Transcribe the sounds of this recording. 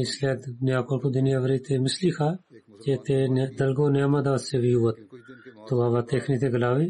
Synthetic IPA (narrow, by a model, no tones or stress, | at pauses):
ɪsleːd̪njaːkolkod̪ʊnjaːʋəɾiːt̪ʰeːmɪsliːkʰaː | d͡ʒeːt̪end̪əlɡoːnjaːmaːd̪aːt̪seːʋiuːət̪t̪ːoaːʋaːt̪eːkʰniːt̪̬eːɡəlaːʋiː